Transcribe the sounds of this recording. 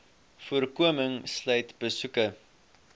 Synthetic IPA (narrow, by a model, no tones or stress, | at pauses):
fuərkuəməŋslœjtb̥əsukə